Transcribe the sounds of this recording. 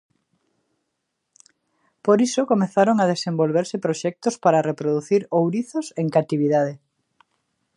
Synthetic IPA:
poɾisokomeθaɾoŋað̞esembolβeɾsɪpɾoʃɛk̚t̪ospaɾarepɾoðuθiɾowɾiθoseŋkat̪iβ̞iðað̞e

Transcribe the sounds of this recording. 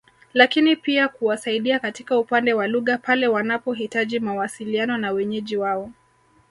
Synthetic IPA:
lakinipiakuwasaiɗiakatikaupandɛwaluɣapalɛwanapɔɦitaʄimawasilianɔnawɛɲɛʄiwaɔ

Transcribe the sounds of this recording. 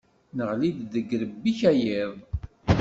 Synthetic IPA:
nəʁlid̪ðəɡɾəbːiçæjɪðˤ

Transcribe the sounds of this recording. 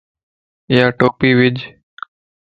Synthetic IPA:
ɪjaːʈoːpiːʋɪd͡ʒ

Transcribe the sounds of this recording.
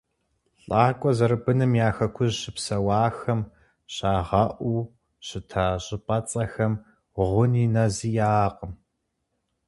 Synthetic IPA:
ɬʼaːkʷʼɔzɐɾɨbɨnɨmjaːxɐkʷʰʊʑɕɪpsɐwɑːxɐm | ɕaːʁɐʔʷuː | ɕɪtʰaɕʼɪpʼɐt͡sʼɐxɐm | ʁʷʊninɐzijaːqəm

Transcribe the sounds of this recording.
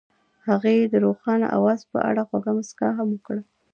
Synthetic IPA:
haɣejd̪əɾoxɑna̰ʔa̰wɑzpə̰ʔa̰ɽaxwaɡamaska̰ɦaməkɽ

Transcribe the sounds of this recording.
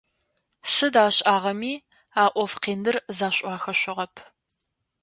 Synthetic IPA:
sɨdaːɕʼaːʁɐmiː | aːʔʷɔfqeːnɨrzaːɕʷʼɑːxɐɕʷʊʁɐpʰ

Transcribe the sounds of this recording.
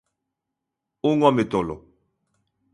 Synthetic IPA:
oŋwametɔlɔ

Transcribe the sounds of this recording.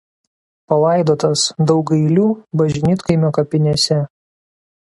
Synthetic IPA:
pɐlˠɑˑɪd̪oːt̪ɐsd̪ɒʊɡɐɪlʲuːbɐʒʲɪnʲiːt̪kɐɪmʲoːkɐpʲɪnʲeːsʲɛ

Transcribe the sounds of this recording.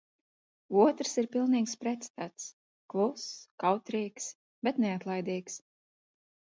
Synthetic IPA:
uɔt̪ɾsiɾpilˠniːkspɾɛt̪st̪at̪s | klˠuskawt̪ɾiːks | b̥ɛt̪nɛat̪lˠajd̪iːks

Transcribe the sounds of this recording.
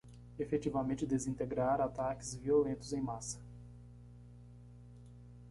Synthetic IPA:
efet͡ʃivɐmẽnt͡ʃɪd̪ezĩnt̪eɡɾaɾat̪akɪzviolẽnt̪ʊzẽj̃masɐ̥

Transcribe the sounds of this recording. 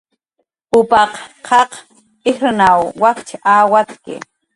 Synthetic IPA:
pʊpɑqqʰɑq | ɪxɾnawwakt͡ʃʰaʔaːwat͡skɪ̰

